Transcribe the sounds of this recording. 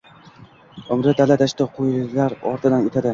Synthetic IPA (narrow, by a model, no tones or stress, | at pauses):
ʊmɾɪd̪alad̪aʃt̪aqʰojɪlaɾɒ̰ɾt̪ʰɪd̪anet̪ʰad̪ɪ